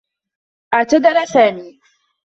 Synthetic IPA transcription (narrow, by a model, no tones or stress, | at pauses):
ʔatʊd̪ɐɾasaːniː